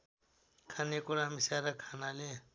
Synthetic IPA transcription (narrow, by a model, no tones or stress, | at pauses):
kʰanekuɾamisaɾakʰanale